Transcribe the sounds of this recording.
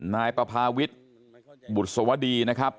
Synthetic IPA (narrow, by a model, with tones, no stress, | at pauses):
naː˧jpɾa˧pʰaː˧wi˦˥t̪̚ | bu˨˩t̪̚so˩˦mwa˦˥diː˧na˦˥kʰɾa˦˥p̚